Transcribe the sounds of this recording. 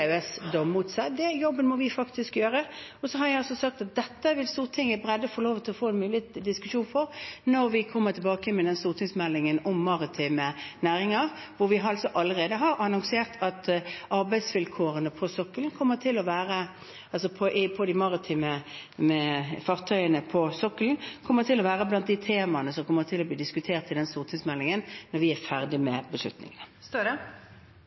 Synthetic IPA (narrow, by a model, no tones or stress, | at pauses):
ɛsd̪ɔmmuːt̪sɛd̪ɛjɔbːənmɔʋɪfɑkt̪ɪskjøːʁəɔsɔɦɑɾjæɑlsɔsɑk̚t̪ɑt̪̚d̪ɛt̪ːəʋɪlst̪uːʁt̪ʰɪŋːəbʁɛd̪ːəfoːloːʋt̪ʰɪlɔfoːɛnmʉːlɪd̪ɪskʉʂuːnfɔʁnɔɾʋɪkʰɔmːət̪ʰɪlbɑːkəmɛd̪ɛnst̪uːʁt̪ʰɪŋsmɛlːɪŋənɔmːɑʁɪt̪ʰiːmənæːʁɪŋɑʁ | ʋʊɾʋɪɦɑɑlsɔʔɑlːəʁeːd̪əɦɑʁɑnʊŋseːʁt̪ʰɑt̪ɑʁbæɪd̪sʋɪlkʰoːʁənəpʰɔsɔkːəlnkʰɔmːət̪ʰɪlɔʋæːʁə | ɑlsɔpʰɔʔɪpʰɔd̪ɪmɑʁɪt̪ʰiːməəfɑʁt̪ʰœʏənəpʰɔsɔkːəln̩kʰɔmːəʁt̪ʰɪlɔʋæːʁəblɑnt̪̚d̪ɪt̪ʰeːmɑnəsɔmkʰɔmːəʁt̪ʰɪlːɔbliːd̪ɪskʉt̪ʰeːʁt̪ɪd̪ɛnst̪ʊːʁt̪ʰɪŋsmɛlːɪŋənnːɔɾʋɪæʁfæʁd̪ɪmɛbəslʉ̰t̪nɪ̰ŋənəst̪ːd